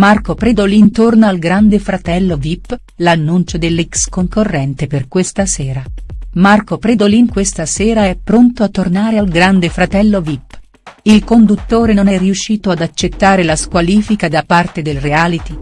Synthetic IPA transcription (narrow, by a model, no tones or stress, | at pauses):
markopɾed̪olint̪ornoalɡɾand̪efɾat̪ɛlːovipː | lanːunt͡ʃod̪elːɛkskoŋkorːɛnt̪eperkwest̪asɛːɾamarkopɾed̪olinkwest̪asɛːɾaɛpːɾont̪oat̪ːornaːɾealɡɾand̪efɾat̪ɛlːovipː | ilkond̪ut̪ːoːɾenonɛriuʃːiːt̪oad̪at͡ʃːet̪ːaːɾelaskwaliːfikad̪apart̪ed̪elreaːlit̪i